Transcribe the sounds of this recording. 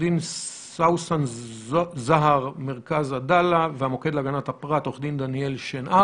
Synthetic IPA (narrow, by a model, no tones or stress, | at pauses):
din | sawsan | zaɦaʁmeʁkazadalaveamo̞ke̞d̪laɡanathapʁat̪oχd̪ind̪anielʃenʔa